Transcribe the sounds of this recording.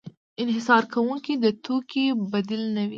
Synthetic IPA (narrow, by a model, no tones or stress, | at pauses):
ɪnɦɪsɑɾkʰawuŋkid̪ət̪okibad̪ilnəwi